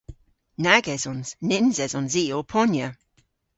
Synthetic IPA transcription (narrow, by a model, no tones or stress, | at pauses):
naɡɛzɔnz̥nɪnzɛzɔnziːɔpʰɔnjə